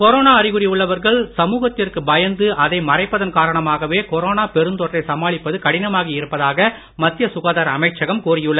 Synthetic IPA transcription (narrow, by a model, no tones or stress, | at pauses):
kɔɾoːnaːɐrɪɣɯɾɪjɯɭːɐʋɐɾɣɐɭsɐmuːɣɐt̪ːɪrkɯbɐjɐnd̪ɯɐðɐɪmɐrɐɪpːɐðɐnkaːɾɐɳɐmaːɣɐʋeːkɔɾoːnaːpɛɾɯnd̪ɔʈrɐɪsɐmaːɭɪpːɐðɯkɐɽɪnɐmaːɣiɪɾɯpːɐðaːɣɐ | mɐt̪ːɪjɐsʊɣaːðɐːɾɐmɐɪʈt͡ʃɐɣɐmkuːrɪjɯɭːɐ